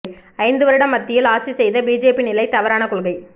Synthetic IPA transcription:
ɐɪnd̪ɯʋɐɾɯɪɽɐmːɐt̪ːɪjɪlaːɾ̚t͡ʃisɛjðɐbiːd͡ʒeːpinɪlɐɪt̪ɐʋɐɾaːnɐkʊɻɯɣɐɪ

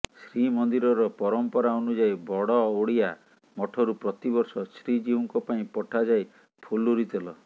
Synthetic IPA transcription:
sɾimɔnd̪iɾɔɾɔpɔɾɔmpɔɾaɔnud͡ʒajbɔɽɔoɽia | mɔʈʰɔɾupɾɔt̪ibɔɾsɔsɾid͡ʒiuŋkɔpaĩpɔʈʰad͡ʒaj | pʰuluɾit̪elɔ

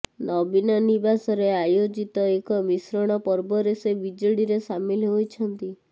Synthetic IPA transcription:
nɔbinɔnibasɔɾeajod͡ʒit̪ɔekɔmisɾɔɽ̃ɔpɔɾbɔɾesebid͡ʒɔɽiɾesamilɦojt͡ʃʰɔnt̪i

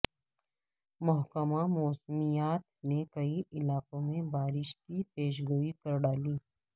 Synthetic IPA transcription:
mʊɦkəmamɔːsmijaːt̪nekɐiʔɪlaːqõmẽbaːɾɪʃkipeːʃ̬ɡuːikɐɾɖaːliː

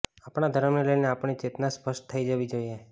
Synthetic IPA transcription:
apɽ̃ad̪ʱəɾəmneləjneapɳ̃it͡ʃet̪naspəʃʈt̪ʰəid͡ʒəʋid͡ʒoie

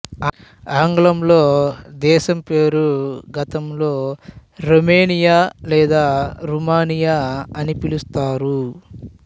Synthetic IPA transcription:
aːŋɡɭɐmlo̞ːd̪ɛːʃɐmpe̞ːɾuɡɐt̪ɐmlo̞ːɾomeːnijaːlɛːd̪aːɾumaːnijaɐnipilust̪aːɾu

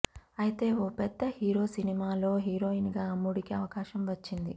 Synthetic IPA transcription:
ɐjit̪e̞ːoːpɛd̪ːɐhiːɾo̞ːsinimaːlo̞ːɦiːɾo̞ːinɡaːɐmːuɽikiɐʋɐkaːʃɐmʋɐt͡ʃːind̪i

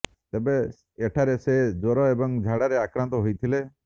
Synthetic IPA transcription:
t̪ebeː | ʈʰaɾesed͡ʒɔɾɔebɔŋd͡ʒʱaɽaɾeakɾãnt̪ɔɦojt̪ʰile

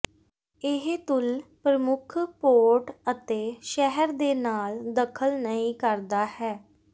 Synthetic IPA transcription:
ɪɦt̪ʊlpɾəmʊkʰpoːɾʈət̪eːʃɛɦəɾd̪eːnaːld̪əkʰəlnəĩːkəɾd̪aːhɛː

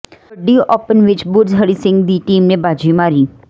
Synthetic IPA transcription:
əɖːiʔopənʋɪt͡ʃbʊɾzɦəɭisɪ̃ŋɡd̪iʈimnebad͡ʒimaɾi

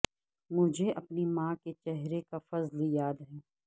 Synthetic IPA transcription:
mʊd͡ʒʱeʔɐpnimãːket͡ʃɛɦɾekafɐzljaːd̪ɦɛː

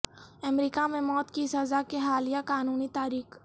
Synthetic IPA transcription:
ɐmɾiːkamẽmɔːt̪kisɐzakeɦaːlijakaːnuːnit̪aːɾiːx

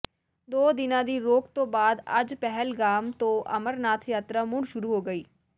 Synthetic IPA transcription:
d̪oːd̪ɪnãːd̪iːɾoːk̚t̪õːbaːd̪ɐ̰d͡ʒpɛɦəlɡaːmt̪õːʔɐ̰məɾnaːt̪ʰjaːt̪ɾamʊ̃ɳʃʊɾuːɦoːɡəiː

